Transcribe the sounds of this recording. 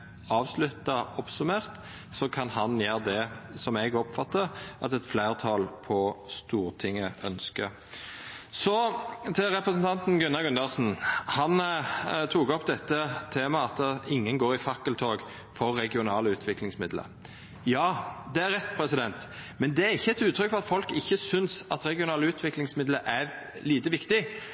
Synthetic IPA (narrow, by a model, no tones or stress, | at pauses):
ɑːʋslʉt̪ːɑɔpsʉmeːʁt̪ | sɔkʰɑnhɑnjæːʁd̪ɛsɔmɛɡɔpfɑt̪ːəɾɑt̪ɛt̪flæɪʁt̪ʰɑlpʰɔst̪uːɾt̪ʰɪŋːəʔœnskə | sɔt̪ʰɪlɾɛpɾəs̬n̩t̪ʰɑnt̪n̩ɡʉnːɑɡʉnd̪ɑʁsn̩hɑnt̪ʰuːɡɔpd̪ɛt̪ːət̪ʰeːmɑɑt̪ɪŋːənɡoːɾɪfɑkːəlt̪ʰoːɡ | fɔɾːɛɡɪʊnɑːləʉːt̪ʰʋɪklɪŋsmɪd̪lə̰ | jɑːd̪ɛæʁɛt̪ːpʰɾɛsɪd̪ɛnt̪mɛnd̪ɛæɾɪçːəɛt̪ʉːt̪ʰːɾʏkːfɔʁɑt̪fɔlkɪçːəsʏnsɑt̪ɾɛɡɪʊnɑːləʉːt̪ʰʋɪklɪŋsmɪd̪ləʔæ | liːt̪əʋɪkt̪ɪ